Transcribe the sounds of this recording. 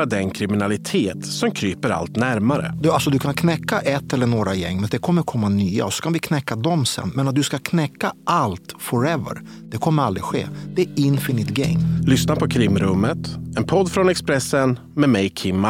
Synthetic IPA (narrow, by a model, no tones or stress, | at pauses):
ad̪ɛnkʰɾɪmɪnalɪt̪ʰeːt̪sɔmkʰɾyːpəɾa̰lt̪næɾmaɾə̰d̪ɵalsɔd̪ɵkʰankʰnɛkːaʔɛt̪ːɛlːəɳoːɡɾajɛ̰ŋːmɛnd̪ɛkʰɔmːəɾkʰɔmːanyːa̰ɔsɔ̥kʰanvɪkʰnɛkːad̪ɔmsɛ̰nːmɛnat̪̚d̪ɵskakʰnɛkːaʔalt̪fɔɾɛvə̰ɾ | d̪̥ɛkʰɔmːəɾald̪ɾɪɧḛːd̪ɛæɪnfɪnɪt̪ɡɛ̰ŋːlʏsnapʰɔkʰɾɪmɾɵmːət̪ɛnpʰɔd̪fɾɔnɛkspɾɛsːən | mɛmɛjkʰɪmːa